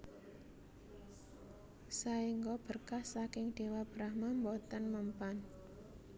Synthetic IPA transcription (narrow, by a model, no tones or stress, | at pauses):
saiŋɡɔb̥ərkahsakɪŋɖ̥e̤wab̥ɾahmambɔt̪ənməmpan